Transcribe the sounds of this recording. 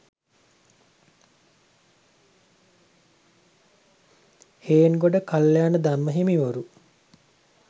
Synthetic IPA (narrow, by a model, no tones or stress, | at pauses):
heːnɡoɖəkaljaːnəd̪amːəɦimiʋoɾu